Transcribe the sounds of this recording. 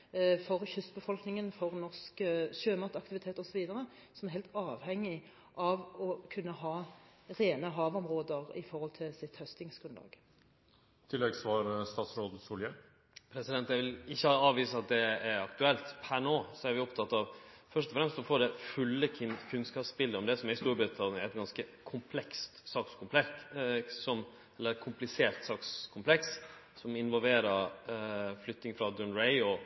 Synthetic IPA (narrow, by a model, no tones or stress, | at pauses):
fɔʁçʏst̪bəfɔlknɪŋənfɔʁnɔskʃøːmɑt̪ɑkt̪ɪʋɪt̪ʰeːt̪ɔsɔʋiːd̪əɾə | sɔmɛɾɦɛɪlt̪ɑːʋhɛŋːɪ | ʔɑʋɔkʰʉnːəɦɑːɾeːnəɦɑːʋɔmɾoːd̪əʁɪ̰fɔʁhɔlt̪ʰɪlsɪt̪hœst̪ɪŋsɡ̥ɾʉnlɑ̰ːɡ̥ | t̪ʰɪlːɛɡsʋɑːɾst̪ɑːt̪sɾoːd̪əsuːlə | pʰɾɛsɪd̪ɛnt̪æʋɪlɪçːəɑɑːʋiːsəɑt̪̚d̪ɛæɾɑkt̪ʉɛlt̪pʰænoːsɔæɾʋɪɔpt̪ʰɑt̪ːɑʋfœʂʈ̪ɔfɾɛmst̪sɔfoːɖɛfʉlːəkʰʉnskɑːpspɪlːəɔmd̪ɛsɔmæɾɪst̪uːɾbɾʉt̪ʰɑnɪəɾæɛt̪̚ɡɑnskəkʰʊmpʰlɛkst̪sɑːkskʰʊmpʰlɛ | sɔm | ɛlːəɾkʰʊmplɪseːɾt̪sɑːkskʰʊmpʰlɛks | sɔmɪnʋɔlʋeːɾəɾ | flʏt̪ːnɪŋfɾɑd̪ʉnɾɛɪɔ